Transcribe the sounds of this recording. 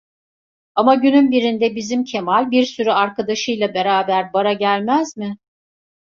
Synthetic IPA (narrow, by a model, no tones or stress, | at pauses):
amaɟynymbiɾind̪ɛbizimcʰe̞malʲbiɾsyɾyaɾkad̪aʃɯjlˠabe̞ɾaːbæɾbaɾaɟælʲmæzmɪ